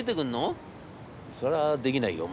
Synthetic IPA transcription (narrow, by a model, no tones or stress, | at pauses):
it̪ekɯ̃nːo | soɾad̪e̞kʲinaḭjo̰m